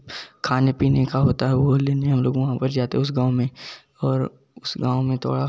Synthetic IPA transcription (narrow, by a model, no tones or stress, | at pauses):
kʰaːnepiːnekaɦoːt̪aɦɛʋoleːneɦɐ̃mloːɡʋɐɦãpɐɾd͡ʒaːt̪eɦɛʊs̬ɡãːwmẽ | ɔːɾ | ʊsɡãːmẽt̪ʰo̰ːɽa